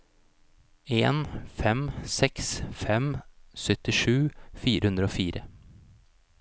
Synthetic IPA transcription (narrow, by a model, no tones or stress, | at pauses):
eːnfɛmsɛksfɛmsœt̪ɪʂʉːfiːɾəhʉnd̪ɾəoːfiːɾə